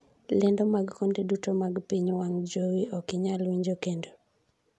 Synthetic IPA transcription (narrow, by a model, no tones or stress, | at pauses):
lɪndɔmaɡkondedutomaɡpiɲwaŋd͡ʒowiʔɔkɪɲalwiɲd͡ʒokendo